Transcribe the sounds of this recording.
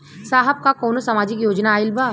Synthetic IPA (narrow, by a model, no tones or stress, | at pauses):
saːɦəb̚kakoːnosɐmaːd͡ʒɪkjoːd͡ʒnaːɪlbaː